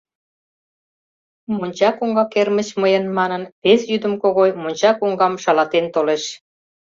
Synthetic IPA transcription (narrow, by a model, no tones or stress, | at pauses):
monʲt͡ɕɑkuŋɡɑkermət͡ɕməjənmɑnənpesjyd̪əmkoɣojmonʲt͡ɕɑkuŋɡɑmʃɑlɑt̪ent̪oleʃ